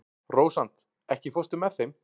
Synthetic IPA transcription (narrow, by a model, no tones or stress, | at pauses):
roːwsant̪ | ɛhcɪfɔst̪ʏmːɛθejm